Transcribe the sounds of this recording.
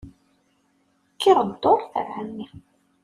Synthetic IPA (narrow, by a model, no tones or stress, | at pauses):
kːiʁəd̪ːoɾˤθə̰ɾhamːi